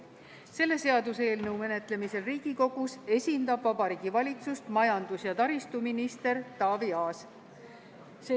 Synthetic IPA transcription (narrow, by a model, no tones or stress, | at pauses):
se̞lːe̞se̞ɑd̪use̞ːlnɤwme̞ne̞t̪le̞mise̞lriːɡ̥iko̞ɡ̥use̞sʲind̪ɑbvɑbɑɾiːɡ̥ivɑlʲit̪sust̪mɑjɑnd̪̥usjɑt̪ɑɾist̪uminist̪e̞ɾt̪ɑːviɑːs | se